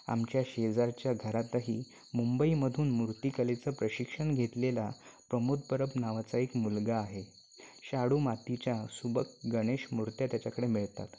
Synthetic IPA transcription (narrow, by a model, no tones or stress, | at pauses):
a̰mt͡ɕjaɕed͡zaɾt͡ɕjaɡʱəɾat̪aɦiː | mumbəiməd̪ʱuːnmuɾt̪ikəlet͡səːpɾəɕikʂəɳɡʱet̪lelapɾəmud̪̚pəɾəpnaʋat͡saekmulɡaːɦe | ɕaɽumat̪it͡ɕjasubəkɡəɽ̃eɕmuɾt̪jat̪jat͡ɕakəɽemiɭt̪a̰t̪